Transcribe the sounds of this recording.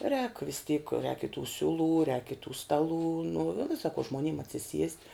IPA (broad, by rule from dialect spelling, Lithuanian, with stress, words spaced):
rʲɛːk ʋʲɪs tʲiːk rʲɛːk ɪ tuː ˈsʲʊˌlˠuː rʲɛːk ɪ tuː ˈstɑːˌlˠuː nʊ ʋʲɪ sɐkoː ʒmoːnʲiːm ɐtʲsʲɪˈsʲiɛsʲtʲ